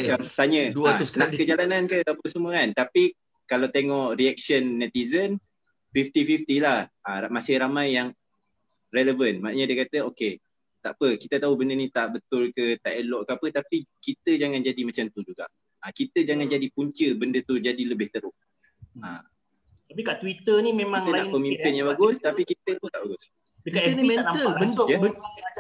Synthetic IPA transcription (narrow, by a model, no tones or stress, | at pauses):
mat͡ʃamt̪aɲəd̪aʔkəd͡ʒalanankəapəsəməant̪api | kalawt̪eŋɔʔriɛk̚sənːɛt̪izən | fift̪ifift̪ilahamasɪhɾamãjːaŋ | rɛləvənmanɲadəkat̪əoke | t̪a̰ʔpəkit̪ət̪aubəndənĩt̪aʔbət̪ʊlkət̪aʔelɔʔkəapət̪apikit̪əd͡ʒaŋand͡ʒadimat͡ʃamt̪ud͡ʒuɡa̰ʔ | akit̪əd͡ʒaŋand͡ʒadipuɲt͡ʃəbəndət̪ud͡ʒadiləbɪht̪əɾʊʔ | a | t̪apikaʔt̪wit̪ənimemãŋənaʔkomĩmpɪnjãŋbaɡʊst̪apikit̪ət̪ut̪aʔbaɡʊs | kaimɛəbənjəbə